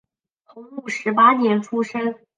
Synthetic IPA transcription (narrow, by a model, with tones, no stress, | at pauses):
t̪ʰʊ˧˥ŋu˥˩ʂɻ̩˧˥pa˥njɛ˧˥nʈ͡ʂʰu˥ʂə˥n